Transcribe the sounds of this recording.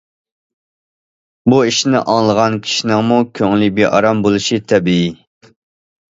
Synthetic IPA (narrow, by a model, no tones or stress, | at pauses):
buiʃnɪ̰ʔɑŋlˠəʁɑnkʲʰi̥ʃinɪŋmukʲʰøŋlibeʔɑ̰ɾɑmbolˠuʃit̪ʰɛbii